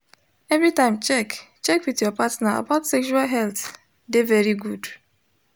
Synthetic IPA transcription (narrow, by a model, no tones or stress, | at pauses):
ɛvɹitãɪ̃mt͡ʃɛk | t͡ʃɛkwitjɔpatnaa̰baʊtsɛkʃualɦɛlt | devɛɹiɡud